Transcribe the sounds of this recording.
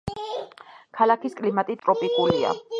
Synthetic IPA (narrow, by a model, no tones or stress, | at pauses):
kʰalakʰiskʼlimat̪ʼit̪ʼɾɔpʼikʼulia̰